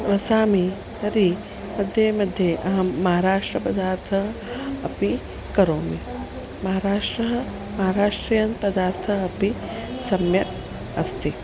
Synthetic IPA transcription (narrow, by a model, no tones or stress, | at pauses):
ɾɐsaːmi | t̪ɐɾi | mɐd̪ʱjemɐd̪ʱjeʔɐɦɐmɐɦaːɾaːʂʈɾɐpɐd̪aːɾt̪ʰɐɦɐ̰pi | kɐɾoːmi | mɐɦaːɾaːʂʈɾɐɦɐ | mɐɦaːɾaːʂʈɾiːjɐnt̪pɐd̪aːɾt̪ʰɐɐpi | sɐmjɐ | ɐst̪i